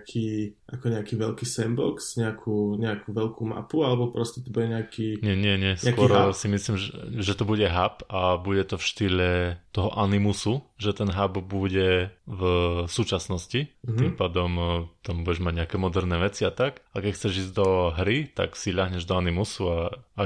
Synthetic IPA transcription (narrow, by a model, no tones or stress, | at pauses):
akʰiːʔakɔɲɛakiːʋɛʎkiːsɛmbɔksɲɛakʰuːɲɛakuʋɛʎkuma̰pualɛbɔpɾɔscɛt̪ɔbuɟɛɲɛakiɲɪɛɲɪɛɲɪɛsɛakʊɔɾsimisliːmʒɛt̪ɔbuɟɛɦapabuɟɛt̪ɔfʃt̪iʎɛt̪ɔɦɔʔanimusuʒɛt̪ɛnɦabbuɟɛvsuːt͡ʃasnɔsciimpad̪ɔmt̪ambuɟɛʒmaɟɲɛakɛːmɔd̪ɛɾnɛːʋɛt͡siat̪akakɛcxt͡sɛʒiːzd̪ɔɦɾit̪a̰ksiʎaɦɲɛʒd̪ɔanimusua